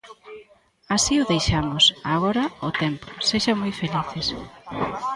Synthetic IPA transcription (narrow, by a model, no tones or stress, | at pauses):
asiʊðejʃamʊsaɣɔɾɐʊt̪empʊseʃamojfeliθes